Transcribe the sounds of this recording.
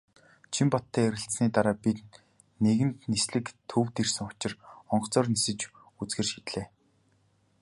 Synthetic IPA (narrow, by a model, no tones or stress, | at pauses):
t͡ɕʰimpɔt̪ʰːæːeɾʲɪ̆ɬtsniːt̪aɾaːpit̪ | neɣɘ̆nt̪nisɮɘ̆kt̪ʰuːwt̪irsɘ̆ŋʊ̥t͡ɕɪ̆rɔɴɢt͡sɔːrnisɘ̆t͡ɕ | ut͡sɡɘ̆ːrʃit̪ɮeː